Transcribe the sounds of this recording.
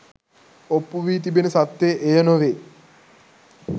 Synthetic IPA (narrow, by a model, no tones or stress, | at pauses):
opːuʋiːt̪̬ibenəsat̪ːeʔejənoʋe